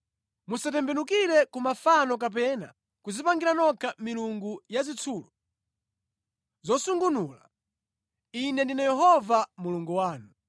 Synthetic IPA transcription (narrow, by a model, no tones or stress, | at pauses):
musatɛmbɛnukiɾɛkumafanɔk̬ap̬ɛna̰ | kuzipaŋɡiɾanɔkʰamiluŋɡujazit͡sʰuːlɔ | zɔsuŋɡunuːla | inɛndinajɛɦɔvamuluŋɡuwaːnu